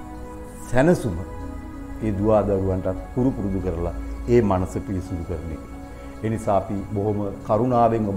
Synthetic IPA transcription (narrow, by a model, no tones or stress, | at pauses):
sænəsumə | eːd̪uʋaːd̪aɾuʋanʈatkuɾupuɾud̪ukəɾəlaeːmanəsəpiɾisud̪ukəɾənḛkḛ | eːnisaːapiboɦoməkaɾunaːʋeŋʋa